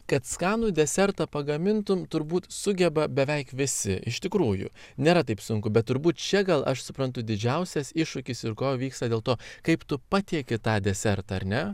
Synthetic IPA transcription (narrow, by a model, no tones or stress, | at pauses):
kɐt̪skɑːnuːd̪ʲɛsʲɛɾt̪ɐpɐɡɐmʲɪnt̪ʊmt̪ʊɾbuːt̪sʊɡʲɛbɐbʲɛʋʲɛɪkʋʲɪsʲɪʔɪʃʲt̪ʲɪkɾuːjʊ̰ | nʲeːɾɐt̪ɐɪpsʊŋkʊbʲɛt̪̚ːʊɾbuːt̪t͡ʃʲɛɡɐlˠɐʃsʊpɾɐnt̪̬ʊd̪ʲɪd͡ʒʲɛʊsʲɛsɪʃʊkʲɪsɪɾkoːʋʲiːkst̪ɐd̪ʲeːlˠt̪oːkɐɪpt̪ʊpɑt̪ʲiɛkʲɪt̪ɑːd̪ʲɛsʲɛɾt̪ɐɐɾʲnʲɛ